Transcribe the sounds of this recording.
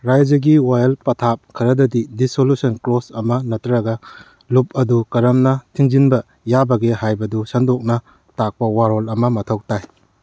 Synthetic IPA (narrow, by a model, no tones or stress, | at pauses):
ɾajd͡ʒɐɡiwajɐlpɐtʰap̚kʰɐɾɐdɐdidisolusɐnklosɐmɐnɐtɾaɡɐ | lup̚ɐdukɐɾɐmnɐtʰiŋzinbɐ | jabɐɡehajbɐdusɐndɔk̚nɐ | tak̚pɐwaɾolɐmɐmɐtʰok̚taj